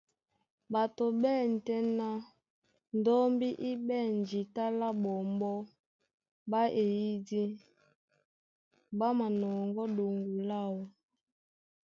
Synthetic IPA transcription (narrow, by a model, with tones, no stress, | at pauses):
ba˨to˨ɓɛ˦˨n̩˨tɛ˦na˦ | n˨dɔ˦mbi˦ʔi˦bɛ˦˨n˨d͡ʒi˨ta˦la˦bɔ˨mbɔ˦ | ba˦ʔe˨ji˦di˦ | ba˦ma˨nɔ˨ŋɡɔ˦do˨ŋɡu˨la˦wɔ˨